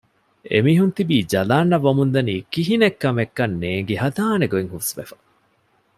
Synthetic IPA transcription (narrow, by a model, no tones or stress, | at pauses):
ḛmiːɦunt̪ibiːd͡ʒɐlaːnːɐʋɐmund̪ɐniːkiɦinekːɐmekːɐnːeːŋɡeɦɐd̪aːneɡoeŋhusʋḛfɐ̥